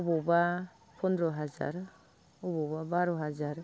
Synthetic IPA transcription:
ubɔba | pʰɔndɾɔɦaza̰ɾ | ɔbɔbabaɾɔɦazaɾ

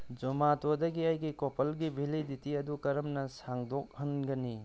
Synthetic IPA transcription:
d͡ʒumatodɐɡiajɡikopʰɐlɡibʱiliditiɐdukɐɾɐmnɐsaŋdok̚hɐnɡɐni

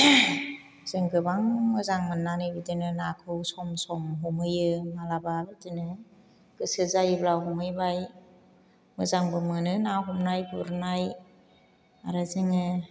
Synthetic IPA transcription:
z̥ɯŋɡɯbaŋmɯzaŋmɯnːanɯjbɯdinɯnakʰɯwsɔmsɔmɦɔmɯjɯmalababɯdinɯ | ɡ̥ɯsɯzajɯblawɦɔmɯjbaj | mɯzaŋbɯmɯnɯnawɦɔmnajpʰɯɾnaj | a̰ɾɯzɯŋɯ

